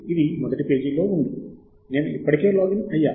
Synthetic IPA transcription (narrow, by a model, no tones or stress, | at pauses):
iðimɐðɐʈːɨpe̞ːd͡ʑilːoːunɖu | neːnipːɐɽɐkʲːeːloːɡinɐjːaː